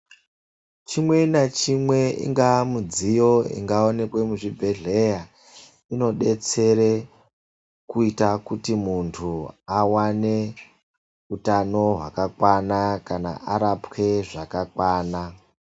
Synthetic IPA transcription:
t͡ʃimwe̞nat͡ʃimwe̞ḭŋɡamud͡zijo̞ḭŋɡao̞ne̞kwe̞muʐibʱe̞ɮe̞ja | ino̞ɗe̞t͡se̞ɾe | kuitakutimuntʰuawane̞ | utano̞ɦwakakwanakana̰ʔaɾapke̞ʐakakwaːna

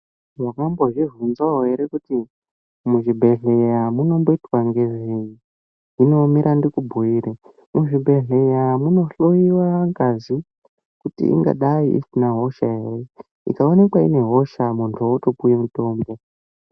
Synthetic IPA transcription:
wakamboʐivunzaɦoɦe̞ɾekuti | muʐibʱe̞ɮejamuno̞mbo̞itwaŋɡe̞ʐei | ino̞miɾʔandikubʱuiːɾe | muʐibʱe̞ɮejamuno̞ɬoiwaŋkazi | kutḭʔḭŋɡa̰ɗaiʔḭsinaɦo̞ʃaɦere | ḭkaonekwaḭne̞ɦo̞ʃamuntʰuoutopujemuto̞ːmbo̞

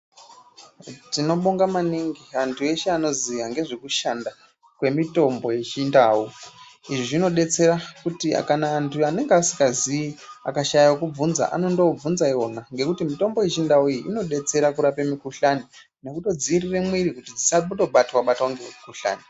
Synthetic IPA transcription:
tino̞ɓoŋɡamaniŋɡiantʰue̞ʃeano̞ziʋaŋɡe̞ʐekuʃanda | kwe̞mito̞mbo̞je̞t͡ʃindaːwu | iʐiʐino̞ɗe̞t͡se̞ɾakutia̰kanaːntʰuane̞ŋɡeasikaziia̰kaʃajawkub͡vunza̰ʔa̰no̞ndo̞b͡vunzaionaŋɡe̞kutimito̞mbo̞je̞t͡ʃindawuiiino̞ɗe̞t͡se̞ɾakuɾapemikuɬani | ne̞kuto̞d͡zirire̞mwirikutid͡zisaputo̞ɓatwaɓatwaŋɡeemikuɬa̰ːni

